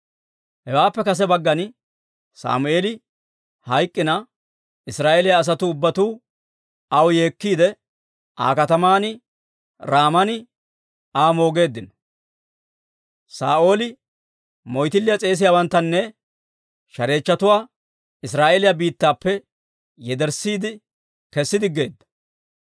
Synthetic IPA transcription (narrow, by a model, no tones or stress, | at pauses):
hɛwaːpːɛkɐs̬ɛbɐɡːɐn | sa̰ːmʊʔe̞ːlɪ | hɐjkʼːɪnɐ | ɪsɾaːʔelɪjaːs̬ɐt̪ʊːbːɐt̪uː | ɐwje̞ːkːiːd̪ɛ | ʔa̰ːkɐt̪ɐmaːnɪ | ɾaːmɐnɪ | aːmo̞ːɡe̞ːd̪ːɪnɔ | saːʔo̞ːlɪ | mɔjt̪ɪlːɪjɐt͡sʼe̞ːs̬ɪjaːwɐnt̪ːɐnːɛ | ʃɐɾe̞ːt͡ʃːɐt̪ʊwaː | ɪsɾaːʔelɪjabiːt̪ːaːpːɛ | jɛd̪ɛɾsiːd̪ɪ | kɛsːɪd̪ɪɡːe̞̰ːd̪ːɐ̥